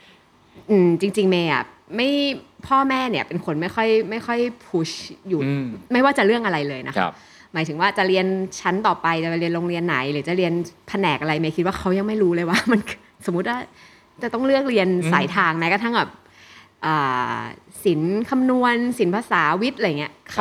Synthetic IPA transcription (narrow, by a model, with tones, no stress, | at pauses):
ʔɯː˨˩t͡ɕi˧ŋt͡ɕi˧ŋmeː˧jʔa̰˨˩ | ma˥˩jpʰɔː˥˩mɛː˥˩ni˦˥˩əpe˧nkʰo˧nma˥˩jxʰɔ˥˩jma˥˩jxʰɔ˥˩jpʰu˨˦˥ɕjuː˨˩ma˥˩jwaː˥˩t͡ɕa˨˩ɾɯ˥˩ək̚ʔa˧ɾa˧jlɤː˧jna˦˥kʰa˦ | maː˩˦jt̪ʰɯ˩˦ŋwaː˥˩t͡ɕa˨˩ɾi˧ənt͡ɕʰa˦˥nt̪ɔː˨˩pa˧jt͡ɕa˨˩˧ɾi˧ənloː˧ŋɾi˧ənːa˩˦jlɯː˩˦t͡ɕa˨˩ɾi˧ənpʰa˧nɛː˨˩k̚ʔa˧ɾa˧jmaː˦jkʰi˦t̪̚waː˥˩kʰa˦˥wja˧ŋma˥˩jɾuː˦˥lɤː˧jwaː˥˩ma˧n | so˨˩˦mːu˦˥t̪̚waː˥˩ | t͡ɕa˨˩t̪ɔ˥˩ŋlɯ˥˩ək̚ɾi˧ənsa̰ː˩˦jt̪ʰaː˧ŋmɛː˧˦˥ka˧t̪ʰa˥˩ŋbɛː˨˩p̚ | ʔɤː˨˩si˨˩˦nkʰa˧mnu˧ənsi˩˦npʰaː˧saː˩˦wi˦˥t̪̚ʔa˧jŋːi˦ɐkʰa˦˥